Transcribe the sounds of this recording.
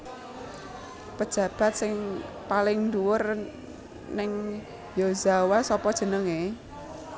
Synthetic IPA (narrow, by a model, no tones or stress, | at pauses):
pə̥ʒ̥ä̤b̥a̤t̪̚sɪŋ | palɪŋnduwʊr | nɪŋ | jozawasɔpɔd̥ʒ̥ə̤nəŋe